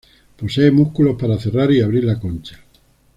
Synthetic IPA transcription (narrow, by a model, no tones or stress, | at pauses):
po̞seemuhkulo̞hpaɾaθe̞raɾiaβɾiɾlako̞nt͡ʃḁ